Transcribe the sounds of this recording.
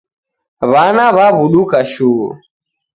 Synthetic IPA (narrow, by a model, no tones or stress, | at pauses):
βanaβaβuɗukaʃuːṵ